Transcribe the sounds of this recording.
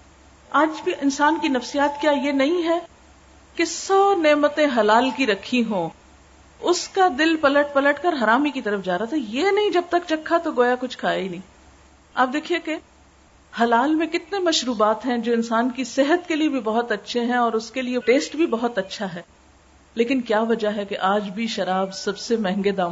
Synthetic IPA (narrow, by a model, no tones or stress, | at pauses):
aːd͡ʒbʱiʔɪnsaːnkinɐfsijaːt̪kjaːjenɐɦĩɦɛ | kesɔːneːmət̪ẽɦɐlaːlkiɾɐkʰːiɦõː | ʊskad̪ɪlpɐləʈ̚pɐləʈkɐɾɦɐɾaːmikit̪ɐɾəfd͡ʒaːɾaːt̪ʰɛjenɐɦĩd͡ʒɐb̚t̪ɐkt͡ʃɐkʰːat̪oɡoːjakʊt͡ʃʰkʰaːeinɐɦĩː | aːp̚d̪eːkʰieke | hɐlaːlmẽkɪt̪nemɐʃɾuːbaːt̪ɦɛ̃d͡ʒoːɪ̃nsaːnkisɪɦət̪keliebʱibɐɦʊt̪ɐtːʃʰeɦɛ̃ɔːɾʊskelieʈeːsʈbʱibɐɦʊt̪ɐtːʃʰaɦɛː | leːkɪnkjaːʋɐd͡ʒaɦɛkeʔaːd͡ʒbʱiʃɐɾaːbsɐbsemɛ̃ɦŋɡed̪aː